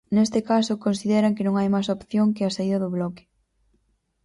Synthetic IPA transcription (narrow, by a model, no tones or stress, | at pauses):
nest̪ɪkasʊkonsiðɛɾɐŋkɪnõŋajmajsopθjoŋkɪasaiðɐðʊβlɔkɪ̥